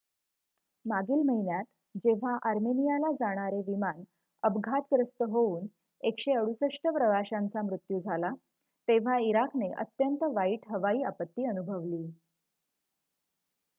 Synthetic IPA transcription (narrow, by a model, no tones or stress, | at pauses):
maɡiːlməɦinjat̪ | d͡ʑeʋ̤aʔaɾmenijalad͡zaɽ̃aɾeʋiman | əbɡʱat̪kɾəst̪əɦouːn | ekɕeəɽusəʂʈʰəpɾəʋaɕãnt͡samɾut̪jud͡zʱala | t̪eʋ̤aiɾakneʔə̰t̪jənt̪əʋaiʈɦəʋaiːapət̪ːiːənubʱəʋliː